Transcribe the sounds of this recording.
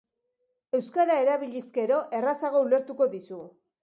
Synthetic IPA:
e̞wskaɾaeɾaβiʎiske̞ɾo̞ʔe̞rasaɣ̞o̞ule̞ɾt̪uko̞ðisu

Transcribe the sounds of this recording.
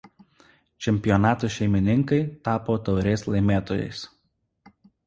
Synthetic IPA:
t͡ʃʲɛmʲpʲɪjɔnɑːt̪uːʃʲɛɪmʲɪnʲɪŋkɐɪt̪ɑːpoːt̪ɒʊɾʲeːslˠɐɪmʲeːt̪oːjɛ̰ɪs

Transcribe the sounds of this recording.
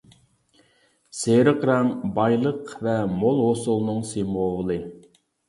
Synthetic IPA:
seɾəqɾɑmbɑjlˠəqvɛmolˠɦosulˠnɨŋsemoʁəlˠɨ

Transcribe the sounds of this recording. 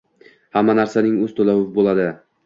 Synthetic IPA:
hamːanaɾsanɪŋɵzt̪ʰɵlawɪvbolad̪ɪ

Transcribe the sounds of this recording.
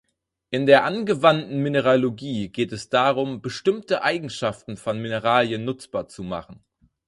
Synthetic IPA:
ʔɪndeːɐʔanɡəvantn̩minəʁaloɡiːɡeːtɛsd̥aːʁʊmbəʃtɪmtəʔaɪɡŋ̩ʃaftn̩fɔnminəʁaːljənːʊt͡sb̥aːɐt͡suma̰χn̩

